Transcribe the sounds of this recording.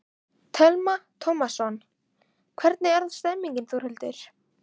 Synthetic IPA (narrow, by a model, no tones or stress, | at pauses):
t̪ʰɛlmat̪ʰomasːɔn | kʰvɛɾt̪̚nɪɛɾðaðst̪ɛmːiɲcɪnθuɾhɛlt̪ɪɾ̥